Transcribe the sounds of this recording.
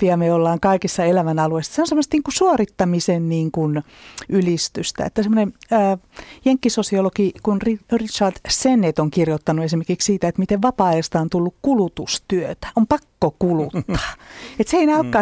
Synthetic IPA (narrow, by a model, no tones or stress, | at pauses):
iɑmeolːɑːŋkɑikisːɑelæʋænɑlueisːɑ̥seonsemːost̪niːŋkusuorit̪ːɑmisenniːŋkun | ʔylist̪yst̪æ̰ḛt̪ːæsemːˑonenəːjeŋkːisosiolokikunririt͡ʃɑrd̪senet̪oŋkirjot̪ːɑnuesimerkikssiːt̪æet̪mit̪eʋʋɑpɑːest̪ɑont̪ulːukkulut̪ust̪yøt̪æ̥ompɑkːokulut̪ːɑ̥ːet̪seinɑlkːɑː